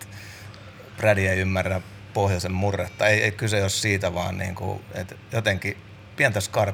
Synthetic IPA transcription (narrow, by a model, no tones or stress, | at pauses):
prædiæiymːærːæ | pohjosemmurːet̪ːɑeieikyseossiːt̪æʋɑ̰ːnnḭːŋkṵḛt̪jot̪eŋki | piænt̪æskɑr